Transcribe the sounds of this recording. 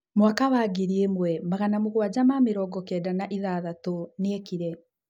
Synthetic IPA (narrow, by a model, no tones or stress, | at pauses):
mwakawaːɡeɾiemwɛmaɣanamoɣwad͡ʑamameɾɔɡɔkɛdanaʔiðaðatoneekiɾɛ